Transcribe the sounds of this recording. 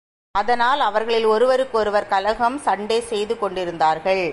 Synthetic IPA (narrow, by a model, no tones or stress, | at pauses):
ɐðɐnaːlɐʋɐɾɣɐɭɪlɔɾɯʋɐɾɯkːɔɾɯʋɐɾkɐlɐɣɐmsɐɳɖeːsɛjðɯkɔɳɖɪɾɯnd̪aːɾɣɐɭ